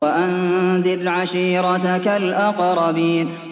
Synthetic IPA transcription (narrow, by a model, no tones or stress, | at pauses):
aʔanðɪɾʕaʃiːɾɑt̪kalʔɑqɾˤɑbiːn